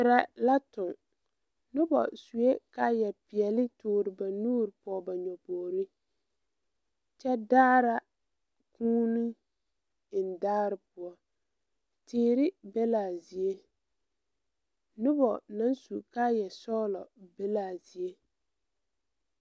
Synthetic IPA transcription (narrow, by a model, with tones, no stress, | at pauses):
ɪ˨ɾa˨la˦tʊ˨ŋ | nʊ˦bɔ̰˨su˨je˦ka˦jɛ˨pɪ˨ɛ˨lɪ˦tʊː˨ɾɪ˨ba˨nuː˦ɾɪ˨pɔ˨ba˨ɲɔ˨poː˨ɾi˦ | t͡ʃɛ˦daː˦ɾa˦ | kũː˦ni˦ | ɪ˨n˨daː˦ɾɪ˦pʊ˨ɔ˦ | tɪː˦ɾɪ˦bɛ˦laː˨zi˨e˦ | nʊ˦bɔ˨na˦nsu˨ka˦jɛ˨sɔː˦lɔ˨bɛ˦laː˨zi˨e˦